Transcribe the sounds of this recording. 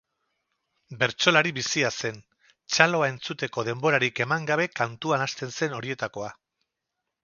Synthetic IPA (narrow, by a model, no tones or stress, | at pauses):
be̞ɾt͡ʃo̞laɾiβisiase̞n | t͡ʃalo̞ae̞nt͡sut̪e̞ko̞ð̞e̞mbo̞ɾaɾike̞maŋɡaβ̞e̞kant̪uanast̪e̞nse̞no̞ɾie̞t̪ako̞a